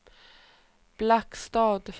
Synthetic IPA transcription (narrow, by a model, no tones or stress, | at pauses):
b̥lækst̪ɑːd̪f